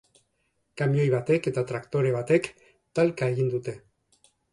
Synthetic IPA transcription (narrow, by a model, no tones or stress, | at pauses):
kamjo̞jβat̪e̞ke̞t̪at̪ɾakt̪o̞ɾe̞β̞at̪e̞k | t̪alkae̞ɣind̪ut̪e̞